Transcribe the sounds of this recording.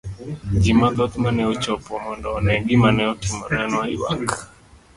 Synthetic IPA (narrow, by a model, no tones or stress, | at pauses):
d͡ʒimad̪ɔt̪manɛut͡ʃɔpɔmɔndɔnɛŋɡimanɛɔtimɔɾɛnɔiwa̰k